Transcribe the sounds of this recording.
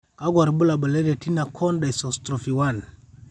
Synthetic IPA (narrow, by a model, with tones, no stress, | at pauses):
ka˦ɡwa˨ɾbu˦la˨bə˨le˦ɾe˨ti˦na˨kʰo˦nda˨jso˨stɾo˨fi˨wa˦˨n